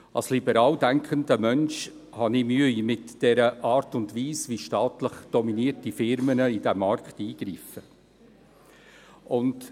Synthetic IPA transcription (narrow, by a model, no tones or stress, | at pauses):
ɑ̰lslibəɾɑːldæŋkχəndəmœnʃ | hɑnɪmyəjmɪtd̥ɛɾəʔɑːɾtʊndʋiːsviʃtɑːt̪ləχd̥ɔminiːəɾtifɪɾmənəidɛmːɑrkχtiːɡ̥ɾiːfə | ʊnd